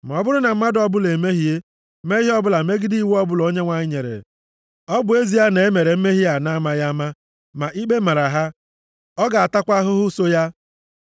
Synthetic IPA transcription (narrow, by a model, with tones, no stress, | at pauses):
ma˨ɔ˨bʊ˦ɾʊ˦na˨m̩˦ma˦dɔ˦bʊ˦le˨me˦ɦi˦e˦ | me˦i˦ɔ˦bʊ˦la˨me˦ɡɪ˦di˦we˦ɔ˦bʊ˦lo˦ɲe˦ŋʷa˨ɲɪ˦ɲe˨ɾḛ˨ | ɔ˦bʊ˨e˦zi˨ja˦ne˨e˦me˨ɾe˨m̩˦me˦ɦi˦a˨na˦ma˦ja˦ma˦ | ma˨ʔi˦ɡ͡be˦ma˨ɾa˨ɦa˦ | ɔ˦ɡa˨a˨ta˦kʷa˦ɦʊ˦ɦʊ˦so˦ja˦